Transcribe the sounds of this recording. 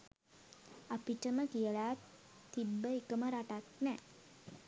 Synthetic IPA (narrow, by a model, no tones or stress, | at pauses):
apiʈəməkijəlat̪ː | ibːəikəməɾaʈat̪nɛː